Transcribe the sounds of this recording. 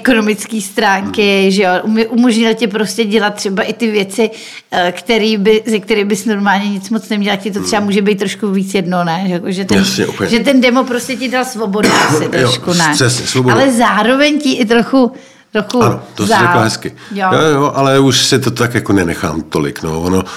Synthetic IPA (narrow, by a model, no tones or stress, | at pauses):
ko̞no̞mɪt͡skiːst̪ɾaːŋkɪʒɛjoʔumʔumo̞ʒɲɪlcɪpɾo̞scɛɟɛlat̪̚ːr̥ɛbaʔɪt̪ɪvjɛt͡sɪ | kt̪ɛɾiːbɪzɛk̚t̪ɛɾiːbɪsno̞ɾmaːlɲɛɲɪt͡smott͡snɛmɲɛlakcɪt̪ot̪rɛbamuːʒɛbejt̪ːɾo̞ʃkuviːt͡sjɛdnonɛʒɛkoʒɛt̪ɛjnasɲɛ̰ʔupɲʒɛt̪̬ɛndɛmopɾo̞scɛcɪdalsvo̞bo̞dasɪt̪ɾooʃkunaɛsɲɛsvobalɛzaːɾo̞vɛɲcɪʔɪt̪̬ɾoxu | t̪ɾoxuanot̪oszaɾɛlaɦɛskɪ | jojojoʔalɛuʃsɪt̪ot̪akjakonɛnɛxa̰ːmt̪olɪ̰kno̰vono